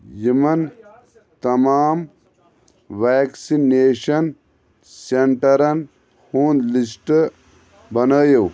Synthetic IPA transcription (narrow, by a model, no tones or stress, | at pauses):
jimɐn | t̪ɐmaːm | ʋeːksineːɕɐn | seɳʈɐɾɐn | huːnlisʈ | bɐnaːjɐw